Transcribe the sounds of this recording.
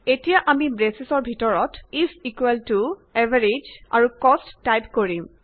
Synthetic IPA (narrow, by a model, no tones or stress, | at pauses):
etijaʔamibɹesisɔɹbʱitɔɹɔtisikwɛltuɛvʱaɹid͡ʒa̰ɹukɔstːajpkoɹim